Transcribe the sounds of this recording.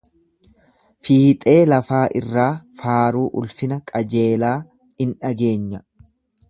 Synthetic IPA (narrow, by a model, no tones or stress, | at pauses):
fiːt̪ʼe̞ːlɐfaːʔɪrːaːfaːɾuːʔʊlfɪnɐkʼɐd͡ʒe̞ːlaː | ɪnᶑɐɡe̞ːɲːɐ